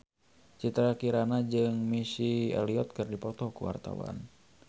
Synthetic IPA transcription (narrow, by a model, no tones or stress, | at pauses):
t͡ʃit̪ɾakiɾanad͡ʒɨŋmisiɛ̰liɔt̪̚kɨrdipɔt̪ɔkṵwa̰rt̪a̰wa̰n